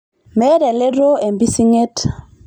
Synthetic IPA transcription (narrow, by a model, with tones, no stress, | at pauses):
mɛ˦ɾɛ˨le˦ɾo˦e˨mbi˦si˦ŋe˦t